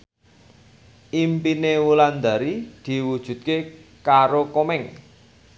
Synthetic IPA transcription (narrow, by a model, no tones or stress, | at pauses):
ʔimpinewuland̪a̤ɾid̪̥i̤wud̥ʒ̥ṳt̪̚kekaɾokomɛŋ